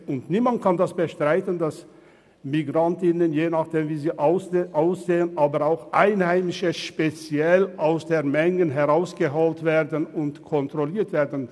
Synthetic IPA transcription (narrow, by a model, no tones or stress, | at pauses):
ʔʊntniːmant̚kʰandasb̥əʃtʁ̥aɪtəndas | miɡʁantɪnənjeːnaχd̥eːmviːziːʔʊsʔaʊsz̥eːənʔaːbəaʊxʔaɪnhaɪmɪʃəʃpet͡sjɛlʔaʊsd̥eːɐmɛŋənɦɛʁaʊsɡ̥əɦoːltv̥eːɐdənʊntkʰɔntʁ̥oliːɐtv̥eːɐdn̩